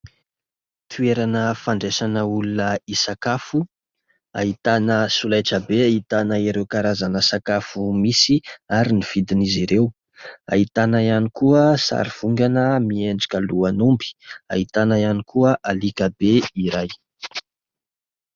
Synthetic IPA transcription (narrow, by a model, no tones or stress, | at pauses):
t̪ʰueɾanəfaɳɖ͡ʐesanəulunəisakafu | a̰ɦit̪anəsulajʈ͡ʂəbeait̪anaiɾewkaɾazanəsakafumisiaɾiniv̥id̪iniziɾew | a̰it̪anaianikuəsa̰ɾiv̥uŋɡanəmieɳɖ͡ʐḁkʲəluanumbi̥a̰it̪anaianikʰuəʔalikabeiɾaj